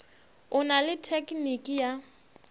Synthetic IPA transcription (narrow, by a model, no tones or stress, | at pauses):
ʊnalɪtʰekʼnikʼija